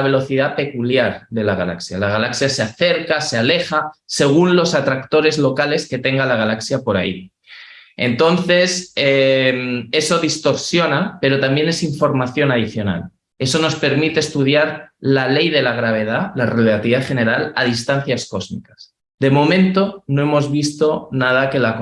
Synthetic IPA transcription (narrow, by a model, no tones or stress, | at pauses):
aβe̞lo̞θiðape̞kuljaɾðe̞laɣ̞ala̰ksja̰laɣ̞alaksjase̞aθe̞ɾkase̞ale̞xase̞ɣ̞unlo̞sat̪ɾakt̪o̞ɾe̞zlo̞kale̞ske̞t̪e̞ŋɡalaɣalaksjapo̞ɾai | e̞̰nt̪o̞nθe̞seme̞so̞ðist̪o̞ɾsjo̞nape̞ɾo̞t̪ambje̞ne̞siɱfo̞ɾmaθjo̞nað̞iθjo̞na̰l | e̞so̞no̞spe̞ɾmit̪e̞ːst̪uð̞jaɾlale̞jðe̞laɣ̞ɾaβ̞e̞ð̞alarelat̪iðaχe̞ne̞ɾala̰ð̞ist̪anθjasko̞zmḭkḁs | d̪e̞mo̞mẽnt̪o̞no̞e̞mo̞zβist̪o̞nað̞ake̞lak